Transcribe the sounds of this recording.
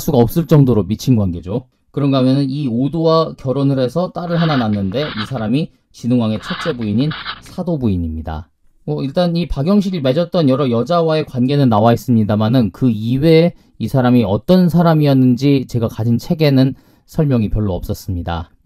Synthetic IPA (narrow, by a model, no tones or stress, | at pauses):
s͈uɡaʌp̚s͈ɯɭt͡ɕ͈ʌŋdoɾomit͡ɕʰinɡwanɡe̞d͡ʑo | kɯɾʌnɡamjʌnɯniodowakjʌɾonɯɾe̞sʰʌt͈aɾɯɭɦanananːɯnde̞isʰaɾami | t͡ɕinɯŋwaŋe̞t͡ɕʰʌt͡ɕ͈e̞buiɲinsʰadobuiɲimɲida̰ | mʌiɭt͈anipaɡjʌŋɕ̬ʰiɡiɭme̞d͡ʑʌt̚t͈ʌnjʌɾʌjʌd͡ʑawae̞kwanɡe̞nɯnnawais͈ɯmɲidamanɯnkɯiwe̞ | isʰaɾamiʌt͈ʌnsʰaɾamijʌnːɯnd͡ʑit͡ɕe̞ɡakad͡ʑʰint͡ɕʰe̞ɡe̞nɯn | sʰʌɭmjʌŋipjʌɭːoʌp̚s͈ʌs͈ɯmɲida̰